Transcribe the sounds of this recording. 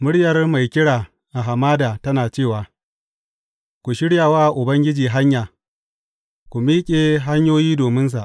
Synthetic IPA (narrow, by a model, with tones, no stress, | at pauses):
mʊ˦ɽjɐ˨rma˨jkʲɪ˦ɽaː˨ | ʔa˨ɦa˨maː˦daː˨tɐ˦naː˨t͡ʃeː˦˨waː˨ | kʷu˨ʃɪ˦ɽjaː˨waː˦ʔʔʊ˨bɐ˦ŋɡʲɪ˦d͡ʒiː˨ɦa˦ɲjaː˨ | kʷu˨miː˦kʲʼeː˨ɦa˦ɲjoː˦jiː˦doː˨mɪ˦ns̬a˨ʔ